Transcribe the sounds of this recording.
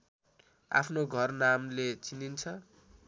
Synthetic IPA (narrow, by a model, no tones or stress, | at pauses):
a̰pʰnoɡʱʌrnamlet͡sinint͡sʰʌ